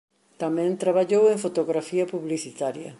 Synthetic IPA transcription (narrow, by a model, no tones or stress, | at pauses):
t̪amɛ̃nt̪ɾaβaʎowẽɱfot̪oɣɾafiɐpuβliθit̪aɾjɐ